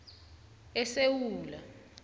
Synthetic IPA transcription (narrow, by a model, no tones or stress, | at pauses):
ɛsewuːla